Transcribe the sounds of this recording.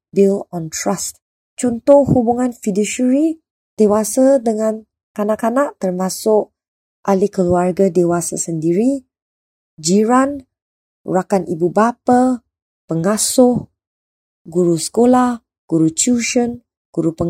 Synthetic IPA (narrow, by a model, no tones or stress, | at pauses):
bilɔnt̪ɾast̪̚ | t͡ʃunt̪ʊʔhubuŋanfidiʃəɾi | d̥ewasadəŋãn | kanaʔkanaʔt̪ərmãsʊʔ | ʔalikəluarɡadewasa̰səndiɾi | d͡ʒiɾan | rakanibubapa | pəŋasʊh | ɡuɾusə̥kolah | ɡ̥uɾut͡ʃuʃən | ɡ̥uɾupəŋ